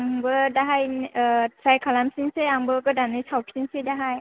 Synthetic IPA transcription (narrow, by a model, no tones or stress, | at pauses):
ŋbɯdaɦaj | ɾajkʰalamsiŋseaŋbɯkɯdanɯjsawpʰsinsedaɦaj